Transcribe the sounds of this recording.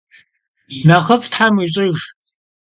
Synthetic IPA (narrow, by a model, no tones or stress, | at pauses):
naχəptħamiɕʼɪʒ